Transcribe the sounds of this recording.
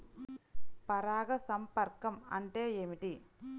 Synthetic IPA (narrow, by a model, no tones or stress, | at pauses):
pɐɾaːɣɐsɐmpɐɾkɐmɐ̰ɳʈeːjemiʈi